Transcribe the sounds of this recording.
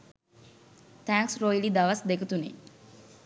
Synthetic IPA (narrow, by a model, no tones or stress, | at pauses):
t̪æːŋksrojlid̪aʋasd̪ekət̪unḛ